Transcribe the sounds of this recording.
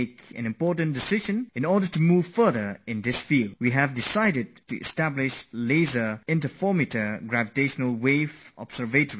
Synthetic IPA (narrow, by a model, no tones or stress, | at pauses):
kɛ̰̃nɨ̃mpɔɹtə̃ndɪsɪʒə̃nɪ̃nɔdətumuːv̥fə˞ðə˞ɪ̃nd̪ɪsfilˠdwiɦævdɪsaɪdɨd̚tuʔɛ̰stæblɪʃlezəɪ̃ntəfɔɹmitəɡɹævɪteʃənəlˠweɪvɔ̰b̥sə˞vetəɹi